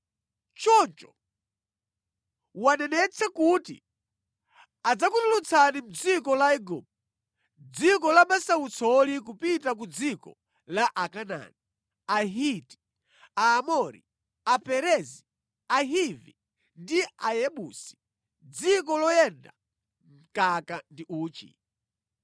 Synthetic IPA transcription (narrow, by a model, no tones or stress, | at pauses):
t͡ʃɔnt͡ʃɔ̥ | wanɛnɛt͡sʰakutḭ | ad͡zakutulut͡sʰanim̩d͡zikɔlaɛɡɔm | d͡zikɔlamasawut͡sɔlik̬upitak̬ud͡zikɔ̰ | laʔakana̰ni | aɦiti̥ | aːmɔɾḭ | apɛɾɛzi | aɦivi | ndiajɛɓusi̥ | d͡zik̬ɔlɔjɛnda | ŋ̩kakandiʔuːt͡ʃḭ